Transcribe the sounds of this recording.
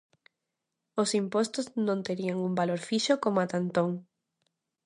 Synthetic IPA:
osimpost̪oznõnt̪eɾiaŋumbaloɾfiʃokomoat̪ant̪oŋ

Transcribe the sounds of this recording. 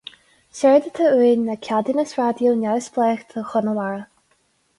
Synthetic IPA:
sɛɹd̪ət̪ʰəiːnəkʲʰad̪ənəsɹad̪jonawsplɛːxt̪ʰəxʊnəlaɹə

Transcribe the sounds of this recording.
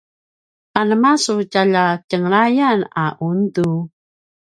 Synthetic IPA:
ʔanəmasucaʎacəŋɾajana̰ʔundu

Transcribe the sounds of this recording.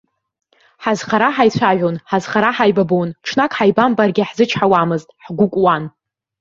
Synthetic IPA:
ħazχaɾaħajt͡ɕʷʰaʒʷᶣonħazχaɾaħajbabonʈ͡ʂʰnakʼħajbambarɡʲɪħzɨt͡ʃʰħawamɨztʼħɡʷʊkʷʼwan

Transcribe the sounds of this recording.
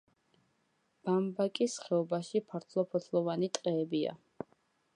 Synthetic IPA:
b̥ambakʼisχɛɔbaʃipʰaɾt̪ʰlˠɔpʰɔt̪ʰlˠɔvanit̪ʼqʼɛːbia̰

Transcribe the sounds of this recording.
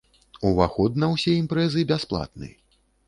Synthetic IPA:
uvaxɔd̪̚nɐwsʲɛimpɾɛzɨbʲasplˠa̰t̪̚nɨ̰

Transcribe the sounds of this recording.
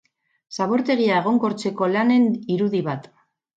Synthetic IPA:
saβo̞ɾt̪e̞ɣ̞iae̞ɣ̞o̞ŋko̞ɾt͡se̞ko̞lane̞niɾuðiβat̪

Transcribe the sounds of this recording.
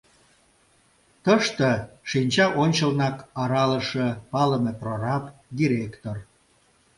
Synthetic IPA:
t̪əʃt̪ə̆ʃinʲt͡ɕɑʔonʲt͡ɕəlnɑkɑɾɑləʃəpɑləmeprorɑpd̪iɾʲekt̪or

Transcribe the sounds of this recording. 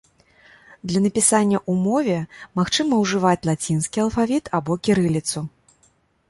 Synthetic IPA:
d̪lʲɐnɐpʲisanʲːɐʔumɔvʲɛmaxt͡ʂɨmɐwʐɨvat͡sʲlˠat͡sʲinskʲiɐlˠfavʲit̪ʰabɔkʲiɾɨlʲit̪su

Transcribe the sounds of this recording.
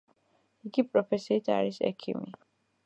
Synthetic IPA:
iɡipʼɾɔpʰɛsiːt̪ʰa̰ɾisɛ̰kʰḭmi

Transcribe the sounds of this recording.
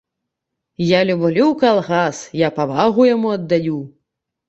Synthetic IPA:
jalʲublʲuwkalˠɣasjapavaɣujamuɐd̪ːaju

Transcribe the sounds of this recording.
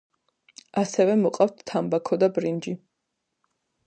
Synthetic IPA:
asɛvɛmɔqʼaft̪ʰt̪ʰːambakʰɔd̪abɾind͡ʒi

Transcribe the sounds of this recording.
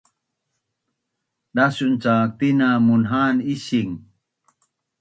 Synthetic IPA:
dasunt͡sak̚t̪inamunɦanisiŋ

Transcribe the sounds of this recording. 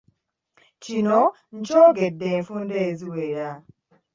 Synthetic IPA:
t͡ʃino | n̩t͡ʃɔɡɛdɛfundeziweɾa

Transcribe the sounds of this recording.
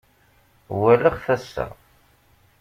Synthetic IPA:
wæləχθæsːa̰

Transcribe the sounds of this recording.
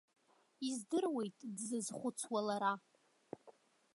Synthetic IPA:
izdɨrwe̞jtʼdzɨzχʷʊt͡sʰwalaɾa

